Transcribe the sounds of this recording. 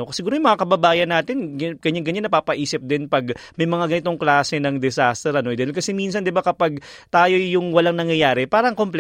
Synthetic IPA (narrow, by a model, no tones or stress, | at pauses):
oksɪɡuːɾojʊmɐŋakɐbɐbaːjɐnaːt̪ɪnɡkɐɲaŋɡɐɲanːɐpaːpɐʔiːsɪp̚d̪ɪnpɐɡmɐjmɐŋaɡɐnɪt̪o̞ŋklaːsɛnɐŋd̪ɛsaːst̪ɛɾʔɐnod̪ɐkɐsɛmins̬ɐnd̪ɪbakɐpaɡ̚t̪aːjo̞jʊŋwɐlaŋnɐŋjɐjaːɾɛpaːɾɐŋkompl